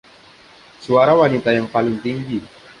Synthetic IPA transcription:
suaɾawanit̪ajaŋpalɪŋt̪iŋɡi

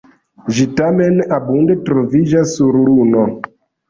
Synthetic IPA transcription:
ʒitamenabundetɾovid͡ʒasːuɾɾuno

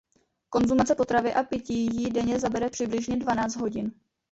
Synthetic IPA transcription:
ko̞nzumat͡sɛpo̞t̪ɾavɪʔapɪcijidɛɲɛzabɛɾɛpr̥ɪblɪʒɲɛdvanaːt͡st̪ɦo̞ɟɪn

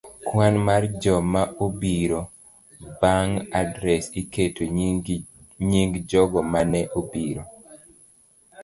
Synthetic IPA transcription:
kwanmard͡ʒɔmaʔobiɾo | baŋadɾɛsiketo | ɲiŋɡd͡ʒɔɡɔmanɛʔobiɾo

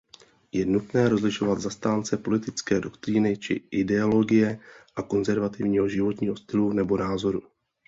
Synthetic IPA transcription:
jɛnut̪nɛːɾo̞zlɪʃo̞vad̪zast̪aːnt͡sɛpo̞lɪt̪ɪt͡skɛːdo̞kt̪ɾiːnɪt͡ʃɪ̰ʔɪdɛolo̞ɡɪjɛʔako̞nzɛɾvat̪ɪvɲiːɦo̞ʒɪvo̞t̪ɲiːɦo̞st̪ɪlunɛbo̞naːzo̞ɾu

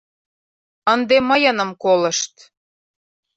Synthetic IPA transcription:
ənd̪eməjɤnə̆mkolɤ̆ʃt̪

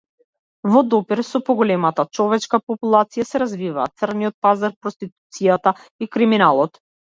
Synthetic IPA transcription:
vɔd̪ɔpiɾsɔpɔɡɔlɛmat̪at͡ʃɔvɛt͡ʃkapɔpulˠat̪sijasɛɾazviva̰ːt̪srniɔt̪̚pazaɾpɾɔst̪it̪̚u̥t̪sijat̪a | ikɾiminalˠɔt̪

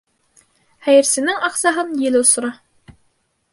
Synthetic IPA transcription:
hæjɘ̆ɾsɘ̆nɘŋɑqsɑɦɤnjɘ̆lɘŏsŏɾɑ

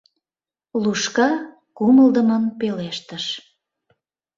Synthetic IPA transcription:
luʃkɑ | kuməld̪əmənpeleʃt̪əʃ

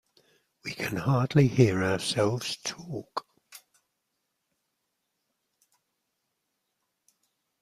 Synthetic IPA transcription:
wikʰə̃nhɑːdˡlihɪəɹaəsɛlˠvz̥tʰɔˑk

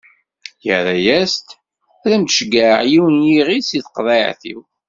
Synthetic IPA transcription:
jəɾæjæst̪ | æðæmt̪ʃɡəʕjiwənjiʁisiθqðˤɑʕθḭw

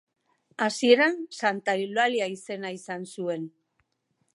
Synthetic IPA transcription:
asie̞ɾansant̪ailaliaise̞naisansue̞n

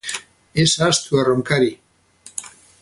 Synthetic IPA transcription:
esaːst̪uaroŋkaɾi

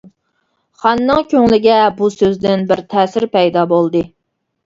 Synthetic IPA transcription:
χɑnːɨŋkʲʰøŋlɪɡʲɛbusøzd̪ɪnbɪɾt̪ʰɛːsɪɾpɛjd̪ɑbolˠd̪ɨ

